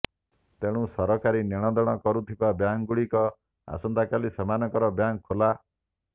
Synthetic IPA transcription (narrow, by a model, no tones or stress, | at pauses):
t̪eɽ̃ũsɔɾɔkaɾineɽ̃ɔd̪ɔɽ̃ɔkɔɾut̪ʰibabjaŋɡuɭikɔ | a̰sɔnd̪akalisemanɔkɔɾɔbjaŋkʰola